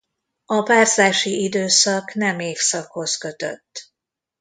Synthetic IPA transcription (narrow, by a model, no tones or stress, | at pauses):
ɒpaːrzaːʃiʔid̪øːsɒknɛmeːfsɒkho̞skø̞t̪ø̞̰t̪ː